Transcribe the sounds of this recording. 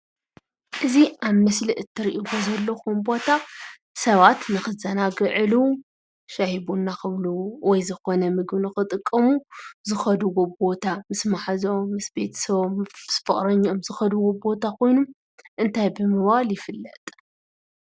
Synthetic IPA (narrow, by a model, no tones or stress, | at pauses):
ʔɨziʔaβmɨsliʔɨt̪ʰːɨɾiʔiɡo̞zɐlːoxumbo̞t̪ʰa | sɐβat̪nɨxɨzɐnaɡɨʕɨlu | ʃahiβunːaxɨβluwɔjzɨxo̞nɐmɨɡbnɨxɨt̪ʼɨkʼːɐmuzɨxɐd̪uwobo̞t̪ʰamɨsmaħazomɨsbe̞t̪ʰɐ̥sɐβosfɨχʼɾɐɲːomzɨxɐd̪uwobo̞t̪ʰakʰo̞jnom | ʔɨnt̪ʰajbɨmɨβaljɪfɨlːɐt̪ʼ